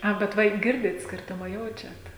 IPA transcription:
ˈɐ bʲɛt ˈʋɐ ɪ ˈɡʲɪrʲdʲɪt ˈsʲkʲɪrtʊmɐ ˈjɛʊt͡ʃʲɛt

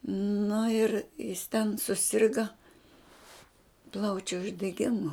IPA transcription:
nʊ ɪr jɪs tʲɛn sʊˈsʲɪrɡɐ ˈplˠɐʊt͡ʃʲʊ ʊʒʲdʲɛˈɡʲɪmʊ

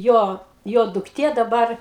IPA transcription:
ˈjoː ˈjoː dʊkˈtʲeː dɐˈbɐr

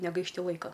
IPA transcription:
nʲɛɡɐɪʃʲˈtʲɪ ˈlˠɐɪkɐ

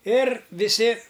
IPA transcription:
ɪr ʋʲɪˈsʲɪ

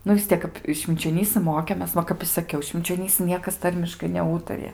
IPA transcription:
ˈnʊ ʋʲɪs ˈtʲiɛk kɐp ʃʲʋʲɪnʲt͡ʃʲoːˈnʲiːsɨ ˈmoːkʲeːmʲeːs ˈʋɐ kɐp ɪ sɐˈkʲɛʊ ʃʲʋʲɪnʲt͡ʃʲoːˈnʲiːsɨ ˈnʲiɛkɐs ˈtɐrʲmʲɪʃkɐɪ nʲɛˈuːtɐrʲɪjɛ

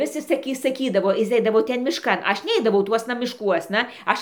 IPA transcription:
ˈʋʲɪs jɪs sɐˈkʲiː sɐˈkʲiːdɐʋoː ˈjɪs ˈɛɪdɐʋoː ˈtʲɛn mʲɪʃˈkɐn ˈɐʃ ˈnʲɛɪdɐʋɐʊ ˈtuɔsnɐ mʲɪʃˈkuɔsnɐ ˈɐʃ

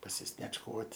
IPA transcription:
pɐsʲɪsʲnʲiɛt͡ʃˈkuɔtʲ

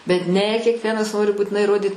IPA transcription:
bʲɛt ˈnʲɛ kʲɛkˈʋʲiɛnɐs ˈnoːrʲɪ buːtʲɪˈnɐɪ iːˈroːdʲiːt

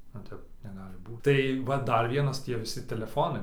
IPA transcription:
nʊ ˈtʲɛp nʲɛˈɡɑːlʲɪ ˈbuːt tɐɪ ˈʋɐ ˈdɐr ˈʋʲiɛnɐs ˈtʲiɛ ʋʲɪˈsʲɪ tʲɛlʲɛˈfoːnɐɪ

